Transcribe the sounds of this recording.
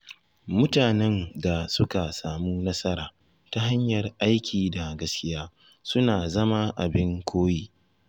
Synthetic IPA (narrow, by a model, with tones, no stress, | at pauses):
mʊ˦taː˨nɛ˦nda˨sʊ˦ka˨saː˨muː˦nɐ˦sɐ˦ɾaː˨ | ta˦ɦa˦ɲjɐ˨rʔa˦jkʲʰiː˨da˨ɡɐ˦skʲɪ˦jaː˦ | sʊ˦naː˨zɐ˦ma˦ʔa˨bɪ˦ŋkʷʰoː˦jiː˦